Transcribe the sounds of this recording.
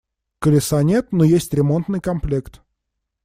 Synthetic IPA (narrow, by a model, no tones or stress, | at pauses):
kəlʲɪsanʲet̪nojesʲtʲɾʲɪmo̞nt̪nɨjkɐmplʲekt̪